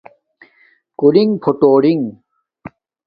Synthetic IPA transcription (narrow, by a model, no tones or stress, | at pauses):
kuliŋɡpʰoʈoːɽiŋ